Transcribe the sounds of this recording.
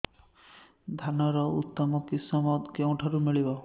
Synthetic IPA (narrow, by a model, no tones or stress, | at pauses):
d̪ʱanɔɾɔut̪ːɔmɔkisɔmɔkeũʈʰaɾumiɭibɔ